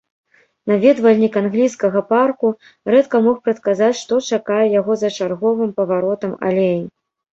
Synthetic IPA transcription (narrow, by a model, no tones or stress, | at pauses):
navʲɛd̪vɐlʲnʲikanɣlʲijskɐɣɐparku | rɛt̪kɐmɔxpɾɐt̪kazat͡sʲʂt̪ɔt͡ʂakajɛjaɣɔzɐt͡ʂarɣɔvɨmpɐvaɾɔt̪ɐma̰lʲeji